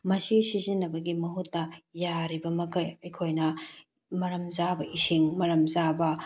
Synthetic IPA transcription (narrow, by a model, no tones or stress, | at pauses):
mɐsisizinːɐbɐɡimɐɦutːɐjaɾibɐmɐkɐjɐjkʰojnɐ | mɐɾɐmzabɐʔisiŋmɐɾɐmzabɐ